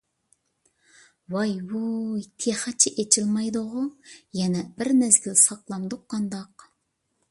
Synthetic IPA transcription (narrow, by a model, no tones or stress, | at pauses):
wɑjwut̪ʰeχæt͡ʃʰɪʔet͡ʃʰɪlmɑjd̪ʊʁʊjɛnɛbɪɾmæzɡʲilsɑqlˠɑnd̪ʊqːɑnd̪ɑq